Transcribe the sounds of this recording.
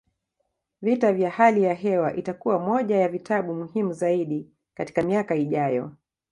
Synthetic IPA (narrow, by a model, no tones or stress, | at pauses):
vitavjahalijaɦɛwaʔitakuwamɔʄajavitʰaɓumuhimuzaiɗi | kati̥kamiakaiʄajɔ̰